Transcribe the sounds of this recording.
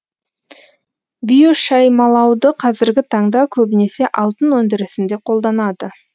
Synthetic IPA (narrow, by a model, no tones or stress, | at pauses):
bʲijoʃɑjmɑlˠɑwd̪əqʰɑzɪɾɡʲɪt̪ʰɑɴd̪ɑkʲʰɵbɪne̞se̞ʔɑlˠt̪ənwɵnd̪ɪɾɪsɪnd̪e̞qʰo̞lˠd̪ɑnɑd̪ə